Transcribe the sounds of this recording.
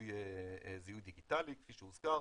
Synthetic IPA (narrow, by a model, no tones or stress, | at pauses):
jezijujd̪iɡit̪alike̥fiʃemuz̥ka